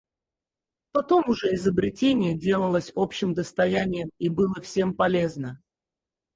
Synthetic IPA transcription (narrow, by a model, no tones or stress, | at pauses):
pɐt̪o̞mʊʐɛɪzəbɾʲɪtʲenʲɪjədʲe̞lˠəlˠəsʲo̞pɕːɪmd̪əst̪ɐjænʲɪjəmibɨlˠəfsʲe̞mpɐlʲe̞znə